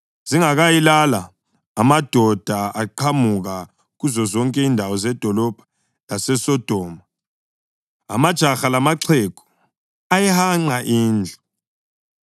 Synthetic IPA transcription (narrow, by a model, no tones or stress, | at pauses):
z̥iŋaɣajilalaː | mad̥ʱɔd̥ʱaaǃʰamuɣa | ɣuzɔzɔŋkʼɛindʱawɔzɛd̥ʱɔlɔb̥ʱḁ | lasɛsɔd̥ʱɔːma | a̰mad̥ʒ̥ʱaxalamaǀʰɛkʰɔ̥ | ajɛhaŋ͡ǀaʔiːnd͡ɮʱa